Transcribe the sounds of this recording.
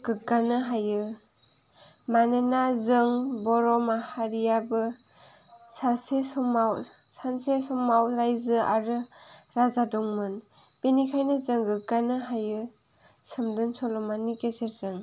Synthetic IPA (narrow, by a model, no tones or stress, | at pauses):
ɡɯkːanɯɦajɯ | manenazɯŋbɔɾɔmahaɾijabɯ | sasesɔmaw | sansesɔmawɾajzɯa̰ɾɯɾazadɔŋmɯnpenikʰajnɯzɯŋɡɯkanɯɦajɯ | sɯmdɯnsɔlɔmanikeseɾzɯŋ